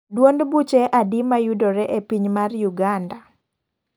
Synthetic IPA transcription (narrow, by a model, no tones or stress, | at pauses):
dwondbut͡ʃɛʔadimajudoɾɛʔepiɲmarjuɡanda